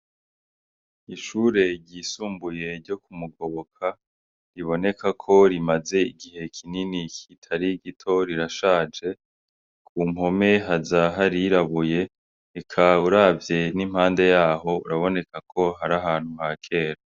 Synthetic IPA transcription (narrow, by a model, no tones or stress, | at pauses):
iʃuːɾe̞ɟiːsuːmbuje̞ɾɟo̞kumuɡo̞βokʰa | ɾiβo̞ne̞kʰakʰo̞ɾimaze̞iɡiɦe̞kʰininikʰitʰaɾiɡitʰo̞ɾiɾaʃaːd͡ʒe̞ | kʰuːmho̞me̞ɦazaɦaɾiɾaβuje̞ | ekʰauɾaːvje̞nim̥haːnde̞jaːɦo̞ṵɾaβo̞ne̞kakʰo̞ɦaɾaɦaːn̥huhakʰe̞ːɾa